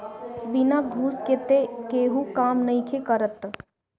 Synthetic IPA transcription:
ʋɪnaɡʱuːsket̪ekeːɦukaːmnɐĩkʰekəɾət̪

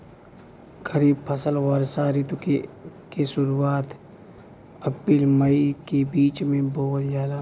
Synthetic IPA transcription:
ɡəɾiːbpʰɐsəlɣaːɾsaːɾit̪ukekesʊɾuaːt̪ | ɐpiːlməikebiːt͡ʃmẽboːwəljaːlaː

